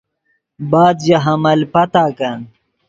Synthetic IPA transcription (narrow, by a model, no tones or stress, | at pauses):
baːd̪jaɦɐmɐlpɐt̪aːkɐn